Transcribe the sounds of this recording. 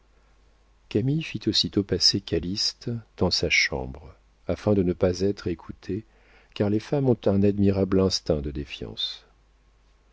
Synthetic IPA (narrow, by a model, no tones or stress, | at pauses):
kamifit̪osit̪opasekalist̪d̪̥ɑ̃saʃɑ̰̃bʁ | afɛ̃d̪ənəpazɛt̪χekʰut̪ʰe | kaʁlefamɔ̃t̪ɛ̃nad̪miʁablɛ̃st̪ɛ̃d̪əd̪efjɑ̰̃s